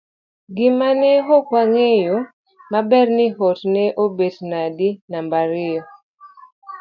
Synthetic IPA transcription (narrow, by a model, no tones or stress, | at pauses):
ɡɪmaneɦokwaŋejo | mabɛrnɪɦotnɛʔobetnadinambaɾɪjɔ